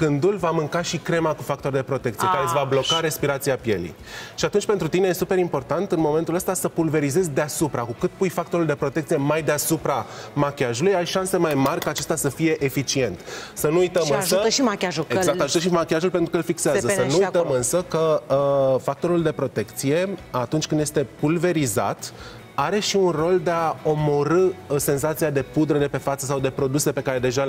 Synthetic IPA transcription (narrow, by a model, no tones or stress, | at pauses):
kɨnd̪ulvamɨŋkaʃikɾe̞makufak̚t̪o̞rd̪e̞pɾo̞t̪e̞k̚t̪sijekaɾesvablo̞kaɾe̞spiɾat̪siapje̞̰lḭj | ʃiat̪unt͡ʃʲpe̞nt̪ɾut̪ine̞je̞supe̞ɾimpo̞rt̪ant̪ɨnmo̞me̞nt̪uləst̪asəpulve̞ɾize̞zʲd̪easupɾakukɨt̪̚pujfak̚t̪o̞ɾuld̪e̞pɾo̞t̪ekt̪sije̞majd̪easupɾamakʲaʒulujajʃanse̞majmarʲkaːt͡ʃest̪asəfije̞ʔefit͡ʃie̞nt̪sənuujt̪əmɨnsəəʃimakʲaʒuezak̚t̪aʒut̪əʃimakʲiaʒulpe̞nt̪ɾukəɨlfikseaszəənujt̪əmɨnsəkə | fak̚t̪o̞ɾuld̪e̞pɾo̞t̪e̞kt̪sije̞at̪unt͡ʃʲkɨnd̪jest̪e̞pulve̞ɾiza̰t̪ | aɾe̞ʃiunro̞ld̪e̞ao̞mo̞ɾɨsenzat̪sijad̪e̞pud̪ɾəd̪e̞pe̞fat̪səsawd̪e̞pɾo̞d̪use̞pe̞kaɾe̞d̪e̞ʒa